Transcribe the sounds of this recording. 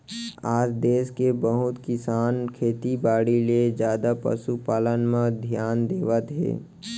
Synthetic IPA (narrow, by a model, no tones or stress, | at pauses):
aːd͡ʒd̪eːskebəɦʊt̪kɪsaːnkʰeːt̪ibaːɽiled͡ʒjaːd̪apə̰ʃupaːlənmẽd̪ʱjaːnd̪eːʋət̪ɦḛː